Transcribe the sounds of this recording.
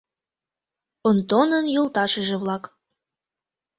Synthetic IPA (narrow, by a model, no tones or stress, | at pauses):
ont̪onənjolt̪ɑʃəʒĕβlɑk